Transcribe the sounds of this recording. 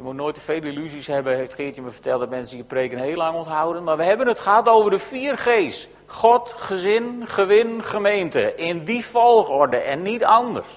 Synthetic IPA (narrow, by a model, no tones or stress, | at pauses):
jəmutnoːjtəfejlilyzishɛbəɦeftχɪːtjəməfə̥tɛlˠtdɔtmɛnsəiːəprejkənɦeːəlˠɑŋɔntɦawdəntmaːrʋəɦɛbənətχəɦatowvərdəfiːərχeːst | χɔtχəzɪnχəʋɪnχəmejntəʔɪndifɔlˠxɔrdəʔɛnːitɑndə̰rs